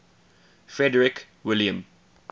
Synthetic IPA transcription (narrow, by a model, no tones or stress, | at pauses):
fɹɛdəɹɪk | wɪljə̃m